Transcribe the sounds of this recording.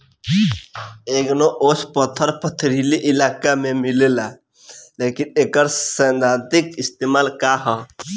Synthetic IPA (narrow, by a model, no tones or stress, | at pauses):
eːɡnoʔoːspət̪ʰəɾpət̪ʰɾiliʔɪlaːkamẽmilela | lekineːkəɾsənd̪aːd̪ikɪst̪eːmaːlkaɦɔ